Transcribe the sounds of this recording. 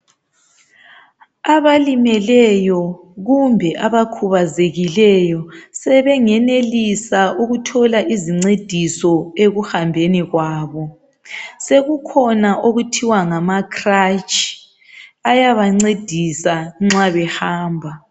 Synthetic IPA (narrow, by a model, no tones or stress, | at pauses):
aβalimɛlɛjɔ | ɣumbʱɛʔaβakʰuβazeɣilɛjɔsɛβɛŋɛnelisauɣutʰɔlaʔiziŋ͡ǀed̥ʱisɔeɣuhambʱeniɣwaːβɔ | seɣukʰɔnaʔoɣutʰiwaŋamakrat͡ʃʰʼi̥ | ajaβaŋ͡ǀed̥ʱisaŋ͡ǁaβɛhaːmbʱa